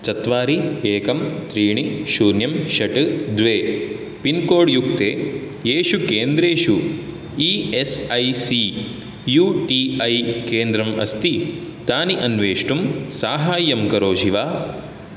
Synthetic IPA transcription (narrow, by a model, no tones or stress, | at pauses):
t͡ʃɐt̪ʋaːɾieːkɐmt̪ɾiːɳiʃuːɾnjɐmʃɐʈd̪ʋeː | pinkoːɽjuk̚t̪eː | eːʃukeːnd̪ɾeːʃu | iːesɐjsi | juːʈiːɐjkeːnd̪ɾɐmɐ̰st̪it̪aːniʔɐnʋeːʂʈumsaːɦaːjːɐmkɐɾoːʃiʋaː